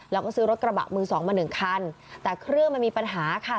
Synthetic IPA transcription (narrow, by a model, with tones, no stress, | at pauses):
lɛː˦˥wkɔː˥˩sɯː˦˥ɾo˦t̪̚kɾa˧ba̰˨˩ʔ̚mɯː˧sɔː˩˦ŋmaː˧nɯ˨˩ŋkʰa˧n | t̪ɛː˨˩kʰɾɯ˥˩əŋma˧nmiː˧pa˧nɦaː˩˦kʰa˥˩